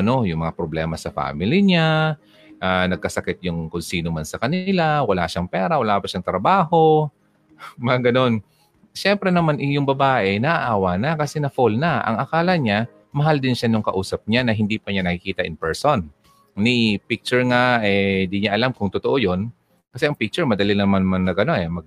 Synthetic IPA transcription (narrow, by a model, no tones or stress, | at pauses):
ɐno̞jʊŋmɐŋapɾoblɛːmɐsɐfa̰ːmɪlɪɲa | ʔanɐɡ̚kɐsɐkɛt̪̚jʊŋkʊnsiːnomansɐkɐnɪlawɐla̰ʃaŋpɛːɾɐwɐlaːpɐʃaŋt̪ɾɐbaːho̞ | mɐŋaɡɐno̞n | ʃɛmpɾɛnɐmanʔɪjʊŋbɐbaːʔɛnɐʔaʔaːwɐnakɐsɛnɐfolnaʔɐ̰ŋʔɐkaːlɐɲa | mɐɦald̪ɪnʃanʊŋkɐʔuːsɐp̚ɲanɐɦɪnd̪iːpɐɲanɐkɪkiːt̪ɐʔɪŋpɛɹsonː | ɪpɪk̚t͡ʃʊɹŋaʔɛɪnd̪iɲaʔɐlamkʊŋt̪ʊt̪oʔojo̞n | kɐsɛʔɐŋpik̚t͡ʃʊɹmɐd̪ɐlinɐmanmannɐɡʔɐno̞ʔɛmɐɡ̚